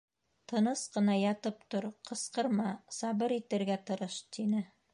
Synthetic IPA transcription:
t̪ɤ̆nɤsqɤ̆nɑjɑt̪ɤp̚t̪oɾqʰɤ̆sqɤ̆ɾmɑsɑβɤɾit̪ɘ̆ɾɡæt̪ɤ̆ɾɤʃt̪inɘ

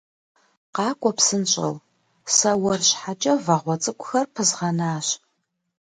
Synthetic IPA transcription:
qɑːkʷʼɔpsɨnɕʼɐ̰w | sɐwɐrɕħat͡ʃʼɐvɐʁʷɔt͡sʼɨkʷʼʊxɐrpʰɨzʁɐnaːɕ

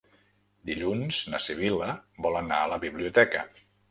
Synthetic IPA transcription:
d̪iʎunz̥nəsiβ̞iləbɔlənaələβiβliut̪ɛkə̰

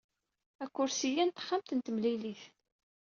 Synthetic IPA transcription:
ækʷːʊɾsijænt̪χamt̪ənt̪əmliliθ

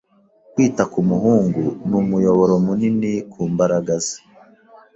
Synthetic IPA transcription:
kwiːtakumuɦuːŋɡunumujo̞βo̞ɾomuninikʰuːmbaɾaɡaze̥

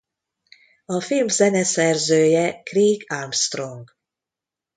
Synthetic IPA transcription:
ɒfilmzɛnɛsɛrzøːjɛkriːɡalmst̪roŋɡ

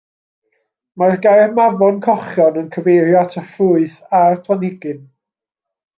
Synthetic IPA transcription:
marɡajrmavɔnkʰɔχjɔnənkʰəvejɾjatʰəfʊɨθarpʰlˠanɪɡɨn

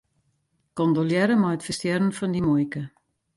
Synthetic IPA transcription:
kɔndoljɛɾəmɔjətfəstjɛɾənfɔndimojkə

